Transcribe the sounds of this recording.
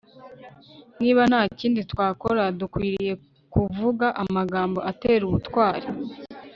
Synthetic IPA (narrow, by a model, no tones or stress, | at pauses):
niːβan̥haːciːnditwaːkoɾadukwiːɾije̞ | kuvuɡaʔamaɡaːmbo̞ʔate̞ːɾuβutwaːɾi